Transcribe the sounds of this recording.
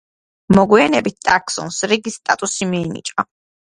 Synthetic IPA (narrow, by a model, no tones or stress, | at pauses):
mɔɡwianɛbit̪̚t̪ʼakʰsɔ̰nsɾiɡist̪ʼat̪ʼusimiːnḭt͡ʃʼɔ